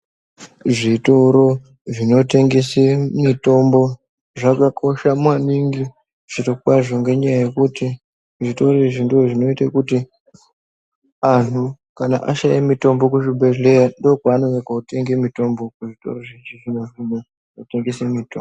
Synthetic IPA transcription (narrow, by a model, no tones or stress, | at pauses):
ʐitoɾo̞ | ʐino̞te̞ŋɡe̞semito̞mbo̞ | ʐakakʰo̞ʃamwaniŋɡi | ʐ̥itokwaʐoŋɡe̞ɲajaje̞kuti | ʐito̞ɾoiʐindoʐino̞itakuti | antʰu | kana̰ʔaʃajemito̞mbo̞kuʐibʱeɮe̞ɾando̞kwaːnoʋekaute̞ŋɡemito̞mbo̞kuʐito̞̰ɾo̞ʐit͡ʃiʐinoʐino | ate̞ŋɡesemito̰mb